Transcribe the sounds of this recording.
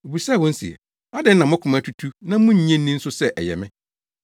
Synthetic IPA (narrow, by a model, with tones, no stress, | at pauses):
o˨bu˨sa˦˨wɔ̃˦n̩˦sḭ˨ɛ̰˨ | a˦dɪ˦n̩˦nã˨mʊ̃˦kʰʊ˨mã˦tʰu˦tʰu˦nã˦mʊ̃˦ɲ̩˨ɲɛ̃˦n̩ː˦ĩ˦n̩˦sʊ˦sɛ˦ʔɛ̰˨jɛ̰˨mɪ̃˦